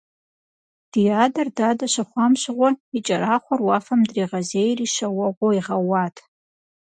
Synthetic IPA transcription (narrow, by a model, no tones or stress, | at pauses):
d̥ijaːdɐrdaːdɐʃaχʷamʃʷʁʷɔit͡ʃʼɐɾaːχʷɔrwaːfɐmdriːʁɐzejriʃɐwɐʁʷoiʁɐwaːtʰʼ